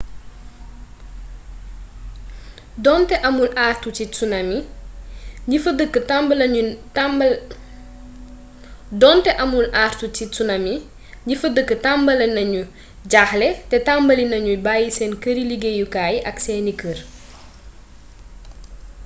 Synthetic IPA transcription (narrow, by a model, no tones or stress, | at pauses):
dɔntɛʔɐmulʔaːrtut͡ʃit͡sunɐmi | ɲifɐdəkːətamlɐu | dɔntɛʔɐmulʔaːrtut͡ʃit͡sunɐmi | ɲifɐdəkːətambɐlɐnɐɲu | ɟaxlɛtɛtambɐlinɐɲubaːjisɛːnkəɾiliɡejukaːjʔɐksɛːnikər